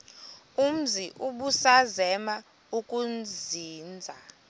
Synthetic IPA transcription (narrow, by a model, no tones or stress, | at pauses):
um̩ziʔuɓusazɛma | ukʼund͡ziːnd͡zʱa